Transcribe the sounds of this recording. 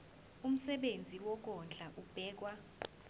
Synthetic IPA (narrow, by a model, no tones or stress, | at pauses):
um̩sɛɓend͡zʱiwɔk̬ɔnd͡ɮʱaʔub̥ʱɛːk̬wa